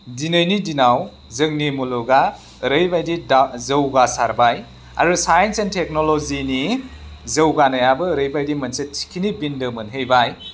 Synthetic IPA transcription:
dinɯjnidinaw | zɯŋnimuluɡa | ɾɯjbajdidzɯwɡasaɾbaj | a̰ɾusajensentʰek̚nolozinizəwɡanajabɯɾɯjbajdimɐnsetʰi̥kʰinibindɯmɯnɦejbaj

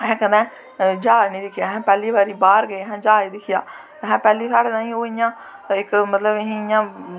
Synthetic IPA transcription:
ɛ̃ːkəmɛ̃ː | d͡ʒaːnĩːd̪ɪkʰɪjaːɦɛ̃ːpɛːliːbaːɾiːbaːɾɡəiːɦɛ̃ːd͡ʒaːiːd̪ɪkʰɪjaː | ɦɛ̃ːpɛːliːsaːɽeːnãːĩːoːɪjãː | ɪkmət̪ləbɪɦĩɪjãː

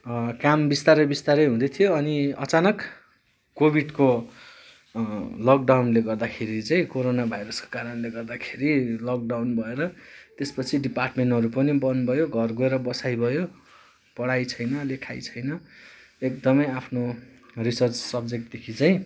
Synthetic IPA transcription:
kambist̪aɾʌbist̪aɾʌjɦũd̪ʌt̪ʰijoʌniʌt͡sanʌkː | obʱiɖko | lʌk̚ɖawnleɡʌrd̪akʰeɾit͡saĩkoɾonabʱajɾʌsko̥kaɾʌnleɡʌrd̪akʰeɾilʌk̚ɖawnbʱʌeɾʌt̪espʌt͡sʰiɖiparʈmeɳʈʌɾupʌnibʌnbʱʌjoɡʱʌrɡoeɾʌbʌsajbʱʌjo | pʌɽajt͡sʰʌjnʌlekʰajt͡sʰʌjnʌ | ek̚d̪ʌmʌjapʰnorisʌrt͡ssʌbd͡zek̚ʈd̪ekʰit͡saj̃

